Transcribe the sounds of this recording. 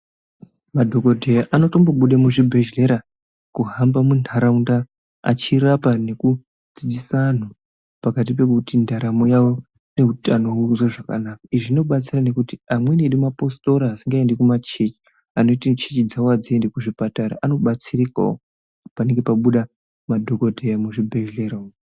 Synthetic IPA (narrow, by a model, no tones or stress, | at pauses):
madʱo̞ko̞dʱejaʔano̞to̞mboɓuɗamuʐibʱe̞ʒle̞ɾa | kuɦambamunaɾaunda | a̰t͡ʃiɾapane̞ku | d͡zid͡zisan̤o | pakat̬ipe̞kutindaɾamo̞jawo̞ | ne̞utano̞uʐoʐaka̰naːkaiʐiino̞ɓat͡sirane̞kutiamwe̞neɗumapo̞sto̞ɾaːsiŋɡaendekumat͡ʃet͡ʃi̥ | ano̞itit͡ʃet͡ʃid͡zawoad͡ziendekuʐipataɾa̰ʔano̞ɓat͡sirika̰o̰ | pane̞ŋɡe̞paɓuɗa | madʱo̞ko̞dʱejamuʐibʱeʒleɾao